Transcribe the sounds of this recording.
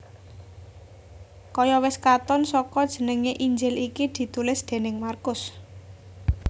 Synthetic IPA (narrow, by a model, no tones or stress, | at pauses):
kɔjɔwɪskat̪ɔnsɔkɔd̥ʒ̥ə̤nəŋeʔiɲd͡ʒɪlikid̪̥i̤t̪ulɪsd̪̥e̤nɪŋmarkʊs